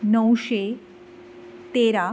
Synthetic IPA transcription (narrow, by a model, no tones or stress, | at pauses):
nəwɕe | t̪eɾa